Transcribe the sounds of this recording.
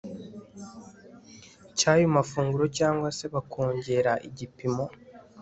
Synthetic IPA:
caːjumafuːŋɡuɾo̞caːŋɡwase̞βakʰo̞ːɲɟe̞ɾaʔiɟipimo̞

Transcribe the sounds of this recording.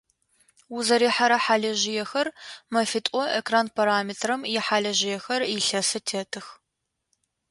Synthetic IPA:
wʊzɐɾiːħaɾɐħaːɮɐʒɪjɛxɐrmɐfitʼɔʔekraːnpʰɐɾaːmiːtʰrɐmjɛħaːɮɐʒɪjɛxɐrjɪɬɐsɨtʰeːtʰɨx

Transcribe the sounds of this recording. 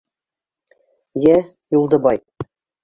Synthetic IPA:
jæ | julˠd̪ɤ̆bɑj

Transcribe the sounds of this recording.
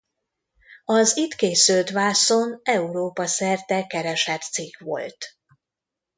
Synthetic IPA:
ɒzit̪keːsylt̪ʋaːsonɛuɾoːpɒsɛrt̪ɛkɛɾɛʃɛt̪sikʋo̞̰lt̪

